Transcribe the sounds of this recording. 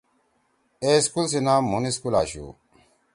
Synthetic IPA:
eskuls̬inaːmːuniskulaːɕṵ

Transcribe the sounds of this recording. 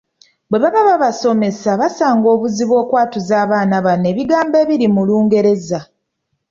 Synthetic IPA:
bwe̞βaβaβaβaso̞me̞saβasaːŋɡo̞ːβuziβwo̞ːkwaːtuzaːβaːnaβane̞ːβiɡaːmbe̞ːβiɾimuluːŋɡe̞ɾe̞za

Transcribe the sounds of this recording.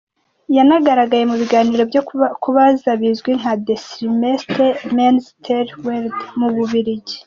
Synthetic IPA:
janaɡaɾaɡaje̞muβiɡaːniɾo̞bjokuβazaβizɡwiŋadesɾimestɾemanstʰeɾweɾdmuβuβiɾiɟe̥

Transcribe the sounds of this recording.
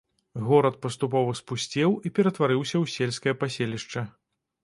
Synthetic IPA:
ɣɔɾɐt̪̚pɐst̪up̬ɔvɐspusʲt͡sʲɛwipʲɛɾɐt̪vaɾɨwsʲɐwsʲelʲskɐjɐpasʲelʲiʂt͡ʂɐ

